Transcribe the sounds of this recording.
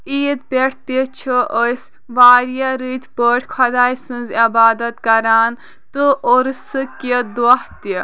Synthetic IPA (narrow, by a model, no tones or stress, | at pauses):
iːd̪̚pʲeʈʰt̪it͡ʃʰɨʔəs | ʋaːɾjaɾit̪ʲʰpəʈʰʲkʰɐd̪aːjsɨ̃nzɐbaːd̪ɐt̪kɐɾaːn | t̪ɨʔoɾsɨkid̪ɐht̪i